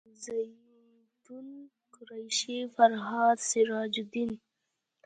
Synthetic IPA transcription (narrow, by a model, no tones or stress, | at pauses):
zaj | t̪un | kʊɾajʃifaɾɦɑd̪siɾɑd͡ʒud̪in